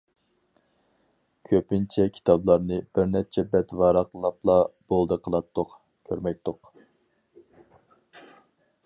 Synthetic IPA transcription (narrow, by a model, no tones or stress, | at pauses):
kʲʰøpɪnt͡ʃʰɛkʲʰi̥t̪ʰɑblˠɑɾnɨb̥ɪɾnɛt͡ʃʰɛbɛt̪vɑɾɑqlˠɑplˠɑb̥olˠd̪əqʰəlˠɑt̪ʰːoq | kʲʰøɾmɛk̚ʲt̪oq